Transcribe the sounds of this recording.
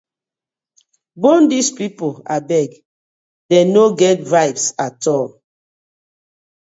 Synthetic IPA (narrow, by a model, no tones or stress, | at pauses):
bõndispipola̰bɛɡ | dɛnoɡɛtɹajpsatʰɔl